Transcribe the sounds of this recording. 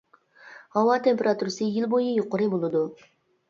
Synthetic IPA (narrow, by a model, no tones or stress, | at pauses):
hɑwɑt̪ʰempeɾʔat̪uɾɨsɨjɪlˠbojɪjoqʊɾɨbolˠɨd̪u